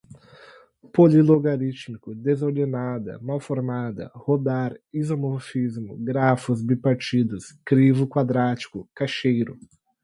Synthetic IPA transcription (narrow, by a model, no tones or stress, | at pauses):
poliloɡaɾit͡ʃnikʊd̪ezoɾd̪enad̪ɐ̰mawfoɾmad̪ɐ̰hod̪aɾizomoɾfizmʊ̰ɡɾafʊzbipaɾt͡ʃid̪ʊskɾivʊkwad̪ɾat͡ʃi̥kʊkaʃejɾʊ